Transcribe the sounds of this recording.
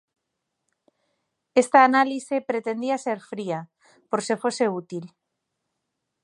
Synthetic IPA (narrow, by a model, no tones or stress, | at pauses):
est̪aːnalisepɾet̪end̪iaseɾfɾia | poɾsefoseut̪il